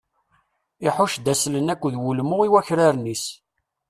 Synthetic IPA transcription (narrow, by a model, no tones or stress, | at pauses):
ɪħʊʃd̪æslənækʷːðwulmʊʁiwæçɾaɾnis